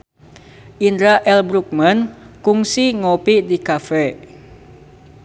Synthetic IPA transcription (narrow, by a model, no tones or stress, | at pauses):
ʔindɾaʔɛlbɾuk̚mankuŋsiŋopidikafɛ